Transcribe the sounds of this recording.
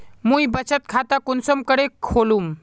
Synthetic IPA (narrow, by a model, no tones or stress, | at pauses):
mũibət͡ʃət̪̚kʰat̪akunsəmkəɽekʰolum